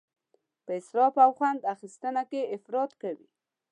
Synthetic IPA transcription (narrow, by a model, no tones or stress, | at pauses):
pəɪsɾɑfawxwand̪axist̪ənakeɪfɾɑt̪kawḭ